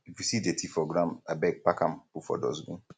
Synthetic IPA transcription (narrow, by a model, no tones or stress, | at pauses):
ifjusidetʰifɔɡɾãmabɛɡ̚pakãmpufɔ̰dɔ̰zɡṵ̃